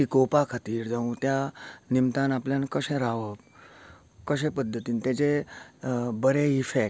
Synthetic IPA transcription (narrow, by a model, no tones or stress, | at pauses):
ikopakʰat̪iːɾd͡zaũːt̪janimt̪anapljãnkəɕẽɾaʋəb | kəɕ̬ẽpəd̪ʱːət̪iːnt̪jɛt͡ɕe | bəɾeifek